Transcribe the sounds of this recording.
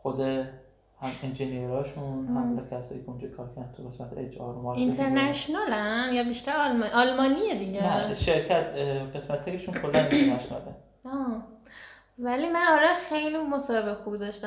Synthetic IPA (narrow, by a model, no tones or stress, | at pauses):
xod̪e | hæmind͡ʒenieɾɒːʃunhæmlɛkʰæsɒːjiːcʰeund͡ʒɒkʰɒːɾcʰæɾd̪ænt̪ʰuɣesmæt̪ʰeed͡ʒɒ̰ɾmɒːint̪ʰeɾnæʃnɒːlænjɒbiʃt̪æɾɒlmʔɒlmɒːnied̪iɟenæʃeɾcʰæt̪ʰɢe̞smæt̪ʰːekeʃunkʰolːænit̪eɾnæʃonɒle | ɒː | væliːmænɒːɾɒjxe̞jlimosɒːhebexubid̪ɒʃt̪æ